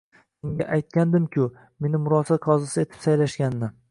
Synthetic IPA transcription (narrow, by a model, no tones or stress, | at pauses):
seŋɡʲa̰ʔajt̪̚kʲand̪ɪmkʲʊ | me̞nɪmʊɾɒsaqʰɒzɪsɪe̞t̪ʰɪ̥psajlaʃkʲanːɪ